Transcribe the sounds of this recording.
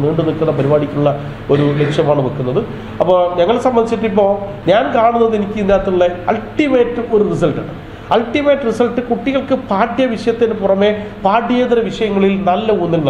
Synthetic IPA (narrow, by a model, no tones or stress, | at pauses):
miːɳɖɨnilkːunːɐpɐɾibaːɽikʲːuɭːɐ | o̞ɾule̞kʂjɐmaːɳɨʋɐkːunːɐðɨ | ɐpːoːɲɐŋːɐɭsɐmbɐnit͡ɕːiʈːipːo̞ː | ɲaːnkaːɳunːɐðenikʲːɨind̪jaːt̪ːuɭːeɐlʈime̞ːʈːɨo̞ɾuris̬ɐlʈɨɽɨ | ɐlʈːime̞ːʈːɨrisɐlʈːɨkuʈːiɣɐɭkɨpaːʈjɐʋiʂɐjɐt̪ːinɨpurɐmːe̞paːʈːijeːd̪ɐɾɐʋiʂɐjɐŋːɐɭilnɐlːɐunːilnɐ